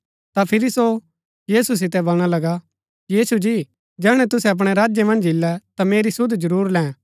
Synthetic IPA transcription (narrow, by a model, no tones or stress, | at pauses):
t̪apʰɪɾiso | jiːsus̬ɪt̪̬ɛbɐlɽ̃alɐɡa | jiːsud͡ʒi | d͡ʒɛːɽ̃ɛ̃t̪ʊsɛɐp̬ɽ̃ɛɾaːd͡ʒjemɐ̃nd͡ʒɪlːɛt̪ameːɾisʊd̪d͡ʒɐɾuːɾlɛ̃ː